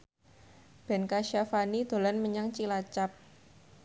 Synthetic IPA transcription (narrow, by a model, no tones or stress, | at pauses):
b̥ɛ̤nkaʃafanid̪̥o̤lanməɲaŋt͡ʃilat͡ʃap̚